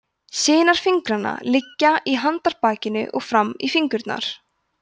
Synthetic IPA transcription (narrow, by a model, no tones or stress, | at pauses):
sɪːnaɾ̥fiŋkɾanːa̰lɪcːaʔiɦant̪aɾ̥paːcɪnʏ̰ʔɔɣfɾamːḭfiŋkʏɾt̪na̰ɾ̥